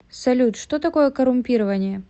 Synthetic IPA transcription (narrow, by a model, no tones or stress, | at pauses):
sɐlʲut̪ʂt̪ot̪ɐko̞jɛkɐɾʊmʲpʲiɾɐvɐnʲɪjə